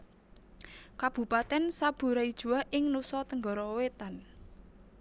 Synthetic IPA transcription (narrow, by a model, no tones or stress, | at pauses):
kab̥ṳpat̪ɛnsab̥ṳɾaid̥ʒ̥ṳaʔɪŋnusɔt̪əŋɡɔ̤ɾɔwet̪an